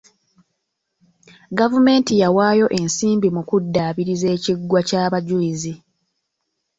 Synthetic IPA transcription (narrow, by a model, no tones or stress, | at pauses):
ɡavume̞ːntijawaːjo̞ʔe̞nsiːmbimukudːaːβiɾize̞ːciɡwacaːβaɟulizi